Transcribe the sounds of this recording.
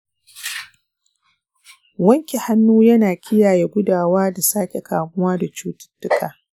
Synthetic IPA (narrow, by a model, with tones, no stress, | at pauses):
wɐ˦ŋkʲi˨ha˦nːuː˦jɐ˦naː˨kʲɪ˦jaː˨je˦ɡʷʊ˦daː˨waː˦da˨saː˦kʲe˨kaː˨mʊ˦waː˦da˨t͡ʃuː˦tɪ̥˦tːʊ˦kaː˨